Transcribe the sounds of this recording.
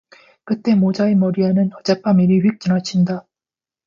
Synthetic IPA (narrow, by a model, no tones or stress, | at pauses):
kɯt͈e̞mod͡ʑaemʌɾiɦanɯnʌd͡ʑap͈amiɾiɸek̚t͡ɕ͈ɯnɦat͡ɕʰinda